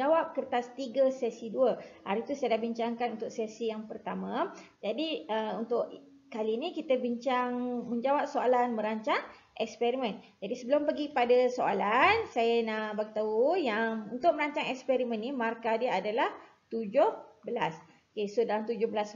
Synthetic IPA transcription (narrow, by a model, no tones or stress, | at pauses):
awap̚kərt̪ast̪iɡəsɛsiduəha̰ɾit̪usajadabiɲt͡ʃaŋkanunt̪ʊksɛsijaŋpərt̪amãd͡ʒadiəunt̪ʊʔ | kaliːnĩkit̪əbiɲt͡ʃaŋməɲd͡ʒawap̚soalanmə̃ɾaɲt͡ʃaŋ | ʔɛkspɛɾimɛ̃n | d͡ʒadisəbəlʊmpəɡipadasoa̰lansajanahbaɡit̪aujaŋunt̪ʊʔ̚mə̃ɾaɲt͡ʃaŋɛkspɛɾimə̃nːimarkadiəadalah | t̪ud͡ʒʊhbəlas | okesodalant̪ud͡ʒʊhbəlas